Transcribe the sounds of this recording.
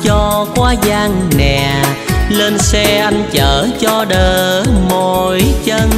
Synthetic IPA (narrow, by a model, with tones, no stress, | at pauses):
t͡ɕɔ˧kwaː˧zaː˧ŋnɛ̰˨˩le˧nsɛ˧ʔa˧jŋt͡ɕəː˧˨˦t͡ɕɔ˧ɗəː˨˩mo˨˩jt͡ɕə˧n